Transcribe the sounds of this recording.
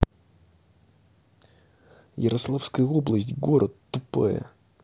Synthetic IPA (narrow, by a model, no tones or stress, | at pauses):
jɪɾʔɐslˠafskəjəoblˠəsʲtʲɡoɾʔət̪ːʊpa̰jə̰